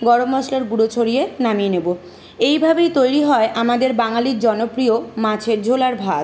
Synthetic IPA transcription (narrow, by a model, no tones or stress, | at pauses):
ɡɔɽomːɔslaɾɡuɽot͡ɕʰoɾienamienebo | ejbʱabejt̪ojɾiɦɔeʔamad̪eɾbaŋaliɾd͡ʑɔnopɾiomãt͡ɕʰeɾd͡ʑʱolaɾbʱa